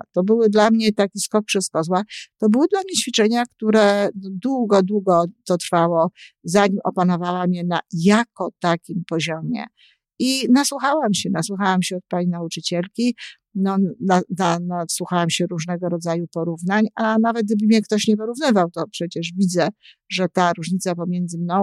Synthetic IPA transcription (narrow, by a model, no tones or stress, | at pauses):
t̪ɔbɘwɘd̪lamɲɛt̪akʲiskɔkʂɛskɔzwat̪ɔbɘwɘd̪lamɲɛt͡ɕfʲit͡ʂɛɲakt̪uɾɛd̪wuɡɔd̪wuɡɔt̪ɔt̪ɾfawɔzaɲimɔ̰panɔvawamʲjɛnajakɔt̪akʲimpɔʑɔmʲjɛ̰ | inaswuxawamɕɛnaswuxawamɕɛɔt̪̚paɲinaut͡ʂɘt͡ɕɛlkʲi | nɔnananaswuxawamɕɛɾuʐnɛɡɔɾɔd̪zajupɔɾuvnaɲanavɛt̪̚ɡ̚d̪ɘbɘmɲɛkt̪ɔɕɲɛp̬ɔɾuvnɘvawt̪ɔpʂɛt͡ɕɛʐvʲid̪zɛ | ʐɛt̪aɾuʐɲit̪sapɔmʲjɛnd̪zɘmnɔ̃w̃